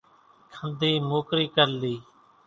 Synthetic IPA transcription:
kʰənd̪ʱiːmoːkɾiːkəɾliː

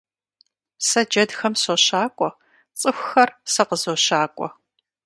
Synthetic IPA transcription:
sɐd͡ʒɐdxɐmsoɕaːkʷʼɔ | t͡sʼɨxʷxɐrsɐqəzoːɕaːkʷʼɔ̰

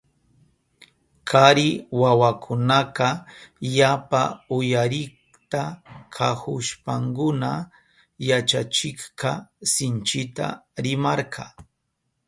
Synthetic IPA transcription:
kʰaɾɪwawakʰʊnaqɑjapaʊjaɾɪ | t̪akʰahʊʃpaŋkʊna | jat͡ʃat͡ʃɪχqɑsɪnt͡ʃɪt̪a̰ɾɪmɑɾkʰɑ

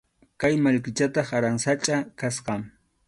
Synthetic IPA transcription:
kajmaʎkɪt͡ʃat̪ɑχaɾaŋsat͡ʃʼakasqɑm

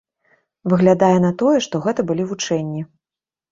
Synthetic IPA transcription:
vɨɣlʲad̪ajɛn̪ɐt̪ɔjɛʂt̪ɔɣɛt̪ɐbɨlʲivut͡ʂɛnʲːi

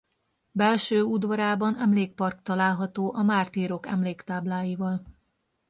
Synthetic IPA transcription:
bɛlʃøːud̪vɒɾaːbɒnɛmleːk̚pɒrk̚t̪ɒlaːlɦɒt̪oːʔɒmaːrt̪iːɾo̞kɛ̰mleːkt̪aːblaːjivɒl

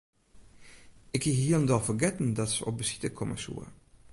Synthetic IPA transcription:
ɪkihiəlˠəndɔlˠfərɡɛtn̩dɑtsəɔp̚bəsi̥təkʰɔmʔə̰sṵər

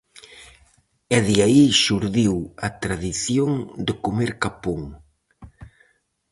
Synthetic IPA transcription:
ɛðiaiʃuɾðiwɐt̪ɾaðiθjoŋd̪ekomeɾkapoŋ

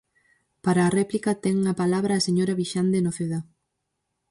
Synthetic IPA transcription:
paɾaːrɛplikɐt̪ɛŋɐpalaβɾɐaːseɲoɾɐβiʃand̪enoθeða

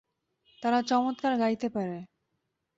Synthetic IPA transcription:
t̪aɾat͡ɕɔmot̪̚kaɾɡajt̪epaɾe

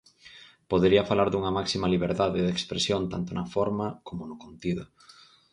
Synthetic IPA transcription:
poðeɾiɐfalaɾðuŋɐmaksimɐliβeɾðaðɪðekspɾesjont̪ant̪ʊnɐfɔɾmɐkomʊnʊkont̪iðʊ

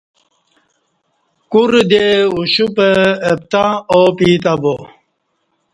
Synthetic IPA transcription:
kuɾd̪euɕupəːp̚t̪aopiːt̪abo

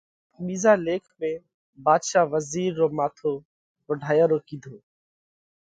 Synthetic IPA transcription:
ɓiːzaːleːkʰmẽː | baːd̪ʃaːʋəziːɾːoːmaːt̪ʰoː | kəɖʱaːjaːɾoːkiːd̪ʱoː

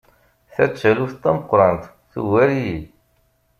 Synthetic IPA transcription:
θæt͡sːæluθt̪ːæməqːɾˤɑnt̪ | θṵwæɾiji

